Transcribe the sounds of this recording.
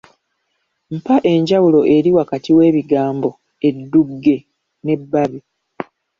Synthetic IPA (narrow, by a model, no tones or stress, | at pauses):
m̩paʔe̞ɲɟawulo̞ʔe̞ɾiwakatiwe̞ːβiɡaːmbo̞ | e̞dːuɡːe̞ | ne̞bːaβi